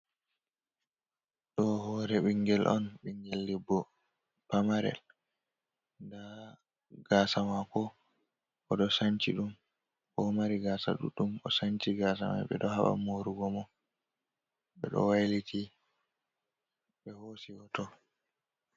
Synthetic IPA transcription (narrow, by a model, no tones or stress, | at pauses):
ɗɔhɔːɾɛɓiŋɡɛlʔɔ̰nɓiŋɡɛlːibːɔ | pamaɾɛ̰l | nda | ɡaːsamakɔ | ʔɔɗɔsaɲt͡ʃiɗum | ʔɔmaɾiɡaːsa̰ɗṵɗːumɔsaɲt͡ʃiɡaːs̬a̰ma̰ɓɛɗɔhaɓa̰moɾuɡɔmɔ | ɓɛɗɔ̰wajliti | ɓɛhosiɔtɔ